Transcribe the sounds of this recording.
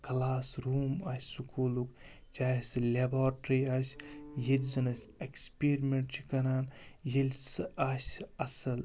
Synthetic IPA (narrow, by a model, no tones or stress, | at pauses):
kɐlaːsɾuːmaːsʲsukʰuːluk | t͡ʃaːjslʲebaːɾʈɾiaːsʲjelʲzɐnɐsʲekspeɾmeɳʈt͡ʃʰikɐnaːnjilʲssaːsʲɐsɐl